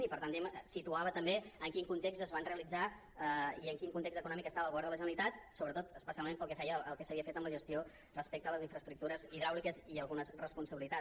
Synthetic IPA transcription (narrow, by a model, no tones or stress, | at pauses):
nipəɾt̪and̪ɛmsit̪uaβət̪əmbeəŋkiŋkunt̪ekst̪əzβanreəlid͡za | əiəŋkiŋkunt̪ekst̪əkunɔmikəst̪aβəːlɣuβɛɾðələʒənəlit̪at̪soβɾət̪ot̪əspəsialˠmempəlˠkɛfɛjəːlˠkɛsəβiəfet̪əmləʒəst̪io | rəspek̚t̪ələziɱfɾəst̪ɾuk̚t̪uɾəziðɾawlikəziəlˠɣunəzrəspunsəβilit̪a